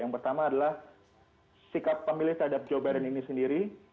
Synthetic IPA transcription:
jaŋpərt̪amaːdalah | sikapːəmilɪht̪əɾɦadap̚d͡ʒobajdəninisəndiɾi

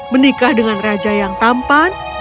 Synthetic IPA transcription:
mənikahdəŋanrad͡ʒajaŋt̪ampan

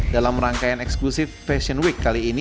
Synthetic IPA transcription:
dalamraŋkajanɛksklusɪfːɛsɔnwikːaliːni

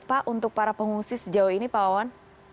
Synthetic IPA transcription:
paʔunt̪ʊk̚paɾapəŋuŋsisəd͡ʒauinipaawan

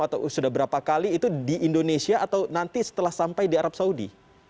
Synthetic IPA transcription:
at̪a̰sudahbəɾapakaliːt̪udiindonesiaʔːt̪awnant̪isə̥t̪əlahsampajdiaɾap̚saudḭ

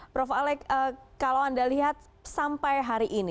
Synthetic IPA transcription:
pɾɔfalɛkəkalawandaliɦat̪̚ | sampajɦaɾiʔini

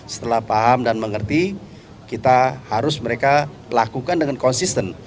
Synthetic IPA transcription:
sə̥t̪əlahpaɦamdanməŋərt̪i | kit̪ahaɾʊsməɾeka | lakukandəŋankɔnsist̪ən

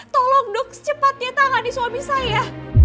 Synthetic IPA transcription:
t̪ɔlɔŋdʊk̚t͡ʃəpat̪̚jat̪aŋadiswamisaja

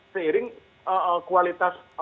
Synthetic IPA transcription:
səiɾɪŋ | əʔəkualit̪as

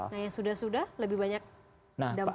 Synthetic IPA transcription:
najaŋsudahsudahləbɪhbaɲak̚ | nada

